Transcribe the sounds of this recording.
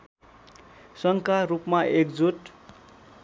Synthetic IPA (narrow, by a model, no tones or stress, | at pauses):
sʌŋkarupmaʔekd͡zuʈ